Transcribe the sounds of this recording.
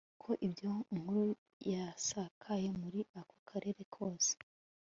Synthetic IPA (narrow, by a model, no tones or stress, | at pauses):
kʰo̞ʔibjoŋ̥huɾu | jasakʰaje̞muɾiako̥kʰaɾʔe̞ːɾe̞kʰo̞ːse̥